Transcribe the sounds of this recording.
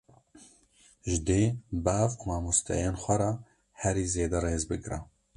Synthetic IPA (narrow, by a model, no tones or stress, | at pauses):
ʒɪd̪eːbaːvqʊmaːmust̪ʰɛ̰jeːnxʷɛɾɑ | hɛɾiːzeːd̪ɛɾeːzbɨkɾɛ